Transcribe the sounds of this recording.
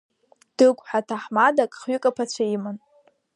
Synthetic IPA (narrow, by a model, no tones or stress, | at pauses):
d̥ɨkʷʼħatʰaħmadakʼχɥʏkʼapʰat͡ɕʷʰaiman